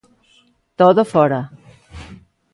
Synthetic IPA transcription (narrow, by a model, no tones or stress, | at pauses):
t̪oðofɔɾa